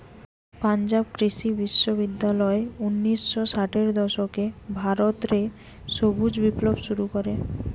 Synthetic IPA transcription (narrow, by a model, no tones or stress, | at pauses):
pand͡ʑabkɾiʃibiʃːoβid̪ːalɔeunːisːosaʈeɾd̪ɔʃokebʱaɾot̪ɾe | ʃobud͡ʑbiplobʃuɾukoɾe